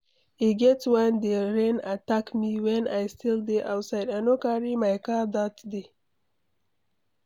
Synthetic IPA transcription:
iɡet͡swand̪eɾenat̪akmiwenast̪ild̪iʔawsajdanokɑɾimajkɑd̪ɑt̪d̪i

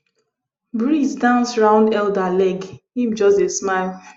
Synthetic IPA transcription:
bɹisdãnsɹãʊ̃ndɛldalɛɡhĩmd͡ʒɔstesmaɪlˠ

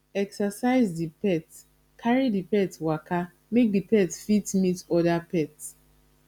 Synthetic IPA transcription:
ɛksasaɪzdipɛt | kʰaɹidipɛtwaka | mek̚dipɛtfitmitɔdapɛts

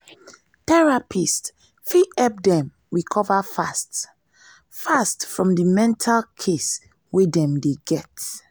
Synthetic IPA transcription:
tɛɹapʰist | fiɛp̚dɛ̃m | ɹikʰɔvafast | fastfɹɔ̃mdimɛ̃ntʰalkʰes | wedɛ̃mdeɡɛt

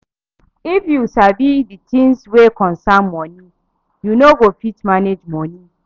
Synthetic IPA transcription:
ifjusabiditĩnswekɔ̃nsanmɔ̃nĩ | junoɡofitmaned͡ʒmɔ̃nĩ

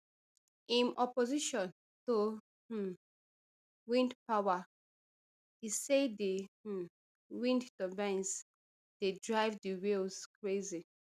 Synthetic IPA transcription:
ĩnʔɔpɔziʃɔ̃n | to | wĩndpawa | disedi | wĩnddɔvɛ̃ns | d̥edɹaɪvdiwilskɹezi

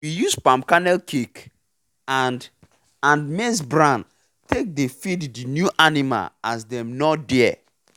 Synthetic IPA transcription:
wijuspãmkanɛlkʰik | an | ãnmes̬bɹãn | tek̚defiddinjuʔanima̰lasdɛ̃mnɔdɛɛ

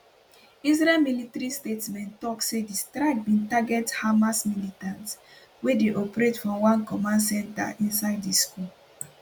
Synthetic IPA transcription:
isɹɛlmilitaɹistetsmɛ̃ntːɔksedistɹaɪɡ̚bĩntaɡɛthamasmilitãnts | wedeʔɔpɹetfɹɔ̃mwãnkɔmãnsɛ̃nta̰ʔĩnsaɪddiskul

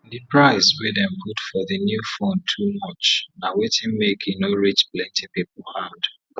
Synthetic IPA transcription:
ðɨpɹaɪswedɛ̃mpʰutfɔðɨnjufõntʰumɔt͡ʃnawetɪ̃ŋmekʰinoɹit͡ʃplɛ̃ntʰipipl̩had̥

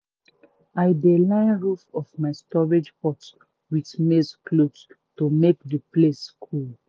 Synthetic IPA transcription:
aɪdelãɪ̃nɹufɔfmaɪstɔɹed͡ʒpɔts | witmesklods | tomekdəpleskʰul

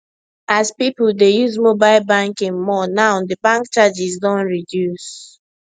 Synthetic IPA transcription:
azpipʊldejuzmobaɪlbãŋkɛ̃nmɔnãʊdəbãŋkt͡ʃad͡ʒizdɔ̃nɹidjus

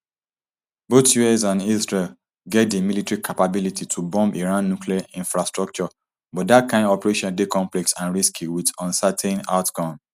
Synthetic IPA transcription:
botjuɛsãnisɹe | ɡɛt̚demilitɹikʰapabilititʰubɔ̃mpiɹãnːukʰliaʔĩnfɹastɹɔk̚t͡ʃɔ | bɔtdatkʰãɪ̃ndɔpɹeʃɔ̃ndekɔ̃mplɛksãnɹiskʰiwidɔ̃nsatʰɛ̃na̰ʊtkɔ̃m

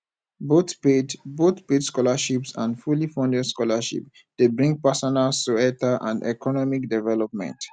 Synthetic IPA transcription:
botpedbotpedskɔlaʃipsã̰ndfulifɔ̃ndɛdskɔlaʃḭp̚ | d̥ebɹĩŋɡ̚pasɔnalstuɛtaʔã̰ndɛ̰kɔnɔmik̚dɛvɛlɔp̚mɛ̰̃nt

